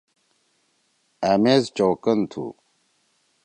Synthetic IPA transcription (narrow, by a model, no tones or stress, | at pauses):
amezt͡ɕowkɐnt̪ʰṵ